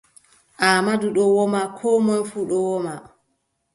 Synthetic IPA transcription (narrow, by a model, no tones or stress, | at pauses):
ʔaːmaduɗɔwɔmakʰɔmɔnfuɗɔwɔma